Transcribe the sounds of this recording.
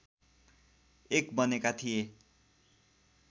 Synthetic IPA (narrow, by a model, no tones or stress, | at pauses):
ekbʌnekat̪ʰije